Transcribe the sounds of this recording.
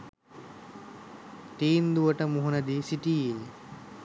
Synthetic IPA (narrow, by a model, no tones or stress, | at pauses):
t̪iːnd̪uɐʈɐmuɦɐnɐd̪isiʈieː